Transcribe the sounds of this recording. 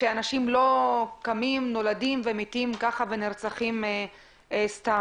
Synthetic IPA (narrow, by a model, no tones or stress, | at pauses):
ʃeanaʃimlo̞kamimno̞ladimve̞mitimkaχaveniʁt͡saχime | esta